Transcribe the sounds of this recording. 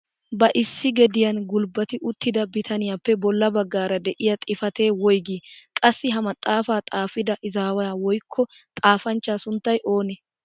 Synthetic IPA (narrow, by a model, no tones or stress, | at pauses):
bɐʔɪsːɪɡɛd̪ɪjɐnɡʊlbɐt̪ɪʔʊt̪ːɪd̪ɐbɪt̪ʰɐnɪjaːpːɛbɔlːɐbɐɡːaːɾɐd̪ɛʔɪjɐt̪ʼɪfɐt̪e̞ːwɔjɡiːkʼɐsːɪɦɐmɐt̪ʼːaːfaːt̪ʼaːfɪd̪ɐʔɪzaːwɐjaːwɔjkʰːɔ | t̪ʼaːfɐnt͡ʃːaːsʊnt̪ːɐjʔo̞ːnɛ